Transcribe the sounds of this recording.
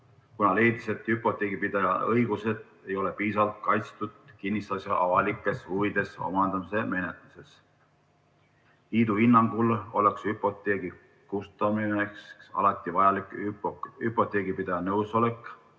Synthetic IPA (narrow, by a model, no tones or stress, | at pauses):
kunɑle̞jd̪̥ise̞t̪ːhypːˑo̞t̪ːˑeːɡ̥ipid̪̥ɑjɑɤjɡ̥use̞d̪̥ | e̞jo̞lepiːsɑlt̪̚kɑjt̪st̪ud̪̥̚kinːist̪ɑsjɑʔɑvɑlikːˑe̞suvid̪̥e̞so̞̰mɑnd̪ɑmise̞me̞ne̞t̪ˑluse̞s | iːd̪̥uhinːɑŋɡ̥ulo̞leksypˑo̞t̪ˑe̞ːɡi | kust̪ɑminekssɑ̰lɑt̪ˑːivɑjɑlikˑypypːˑo̞t̪ˑeːɡ̥ipid̪̥ɑjɑnɤwso̞le̞kːˑ